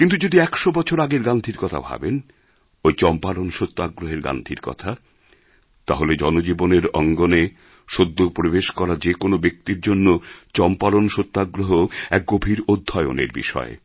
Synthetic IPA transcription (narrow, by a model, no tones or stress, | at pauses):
kint̪̬ud͡ʑod̪iɛkʃobɔt͡ɕʰoɾaɡeɾɡand̪ʱiɾkɔt̪ʰa̰bʱa̰ben | ojt͡ɕɔmpalonʃot̪ːaɡɾoɦeɾɡã̰nd̪ʱiɾkɔ̰t̪ʰa | t̪aɦoled͡ʑɔnod͡ʑiboneɾɔ̰ŋɡone | ʃod̪ːopoɾibeʃkɔɾad͡ʑekonobek̚t̪iɾd͡ʑonːot͡ɕɔmpalonʃot̪ːaɡɾoɦoɛk̚ɡobʱiɾod̪ʱːaeo̰nḛɾbḭʃɔ̰e